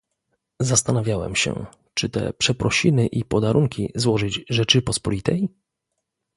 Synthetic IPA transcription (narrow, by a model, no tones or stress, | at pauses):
zast̪anavʲjawɛ̰mɕɛ̰ | t͡ʂɘt̪ɛ̰pʂɛpɾɔɕinɘʔipɔd̪aɾuŋkʲizwɔʐɘd͡ʑʐɛt͡ʂɘpɔspɔlʲit̪ɛj